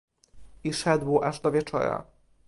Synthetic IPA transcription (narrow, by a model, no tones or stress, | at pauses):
iʂɛd̪wʔaʐd̪ɔvʲjɛt͡ʂɔ̰ɾa̰